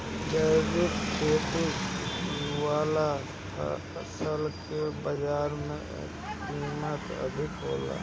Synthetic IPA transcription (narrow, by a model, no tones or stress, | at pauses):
d͡ʒəjdɪkkʰeːt̪i | waːla̰ | səlkebəd͡ʒaːɾmḛ̃ | kiːmət̪ə̰d̪ʱɪkɦo̰ːla̰